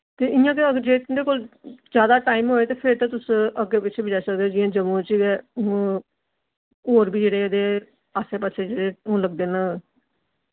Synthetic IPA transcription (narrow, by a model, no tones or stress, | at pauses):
t̪eːʔɪjãːkeəd͡ʒeːkd̪eːkoːld͡ʒjaːd̪aːʈaːimɦoːeːt̪eːpʰɪɾt̪ãːt̪ʊsəɡeːpɪtːt͡ʃʰeːbɪd͡ʒaːsək̚d̪eoːd͡ʒɪjãːd͡ʒəmũːt͡ʃiɡɛː | oːɾbiːd͡ʒeːɽeːəd̪eː | aseːpəseːd͡ʒeːɽeːõːləɡ̚d̪eːnãː